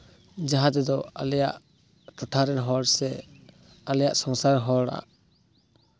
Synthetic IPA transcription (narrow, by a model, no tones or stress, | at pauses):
d͡ʒaɦad̪ɛd̪ɔalɛjaʔ | ʈɔʈʰaɾɛnɦɔɾsɛ | alɛjaʔsɔŋsaɾɦɔɾa̰ʔ